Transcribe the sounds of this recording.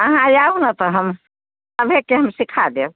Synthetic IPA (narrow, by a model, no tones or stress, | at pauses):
əɦãjaunət̪əɦəm | əbʱekeɦəmsikʰad̪ew